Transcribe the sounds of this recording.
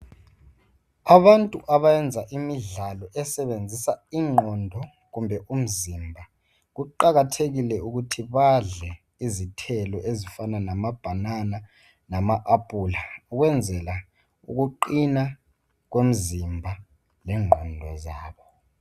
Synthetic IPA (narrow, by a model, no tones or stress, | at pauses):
aɓantʼuʔaɓajɛnd͡zʱaʔimiɮalɔʔɛsɛɓend͡zʱisaiŋ͡ǃʱɔndʱɔ | kumbʱɛʔum̩zimbʱa | k̬uǃakatʰeɣ̬ilɛuk̬utʰiɓaɮɛ | izitʰɛlɔʔezifananamab̥ʱanana | namaʔapʼulauk̬wɛnd͡zʱɛla | ṵk̬uǃina | k̬wem̩zimbʱa | lɛŋ͡ǃʱɔndʱɔ̰zaːɓɔ